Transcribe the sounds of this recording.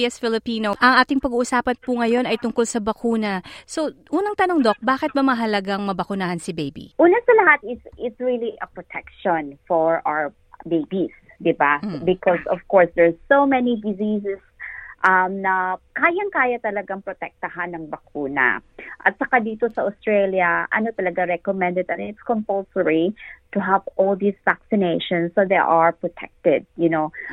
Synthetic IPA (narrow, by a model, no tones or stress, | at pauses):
ɛsfɪlɪpiːnoʔɐŋʔaːt̪ɪŋpɐɡuːʔʊsaːpɐnpʊŋɐjo̞nɐjt̪ʊŋkolsɐbɐkuːnɐso̞ʔuːnɐŋt̪ɐnoŋd̪o̞k̚baːkɪt̪̚bɐmɐɦɐlɐɡaŋmɐbɐkʊnaːhɐnsɪbejbḭʔuːnɐsɐlɐhat̪̚ɪsɪt̪sɹiliʔɐpɹɔt̪ʰɛkʃɔnfɔɹaw | bejbis | d̪ɪbabɪkɔsɔvkɔɹsd̪ɛɹsowmɛnid̪ɪzisɛsʔɐmnɐkaːjɐŋkaːjat̪ɐlɐɡaŋpɹɔt̪ɛk̚t̪ɐhanːɐŋbɐkuːnɐ̰ʔɐ̰t̪̚sɐkad̪iːt̪osɐʔʊst̪ɹɛljɐʔɐ̰not̪ɐlɐɡaɹɛkɔmɛ̃nd̪ɛd̪ɐ̃nɪt̪skɔmpolsəɹit̪ʊɦavɔld̪isvaksɪnejʃɔ̃nsːod̪ḛʔaɹpɹɔt̪ʰɛ̰k̚t̪ɛd̪̚jʊno